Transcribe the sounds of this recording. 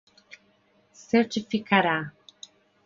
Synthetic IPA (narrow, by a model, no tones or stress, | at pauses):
sɛɾtifikaɾa